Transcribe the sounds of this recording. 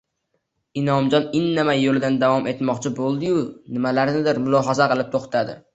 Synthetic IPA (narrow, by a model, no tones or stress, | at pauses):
ɪnɒmd͡ʒɒnɪnːɪmajolɪd̪and̪avɒmʔe̞t̪mɒqt͡ʃʰɪbolˠd̪ɪjʊnɪmalaɾnɪd̪ɪɾmʊlˠɒɦazaqɨlˠɪp̚t̪ʰoχt̪ʰad̪ɪ̰